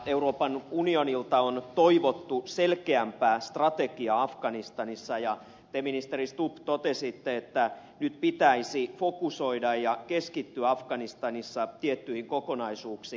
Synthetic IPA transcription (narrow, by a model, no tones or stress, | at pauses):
euroːpɑnunionilt̪ɑont̪oiʋot̪ːuselkeæmpæːst̪rɑt̪eɡiɑɑfɡɑnist̪ɑnisːɑjɑ | t̪eminist̪erist̪upt̪ot̪esit̪ːeet̪ːæ | nyt̪pit̪æisifokusoidɑjjɑkeskit̪ːyæɑfɡɑnist̪ɑnisːɑt̪iet̪ːyhiŋkokonɑisuːksiː